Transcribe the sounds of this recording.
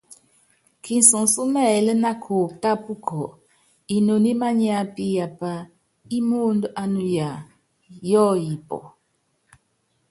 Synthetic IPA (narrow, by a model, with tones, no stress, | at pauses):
kʰi˨n˨so˨su˦mɛ˦˨lə˦na˦kʰo˨ta˦pu˦kʰɔ˨ | i˨no˨ni˦ma˦ɲi˦a˦pi˦ja˨pa˦ | i˦mo˦ndə˦ʔa˦nu˦ja˨ | jɔ˦ji˨pɔ̰˨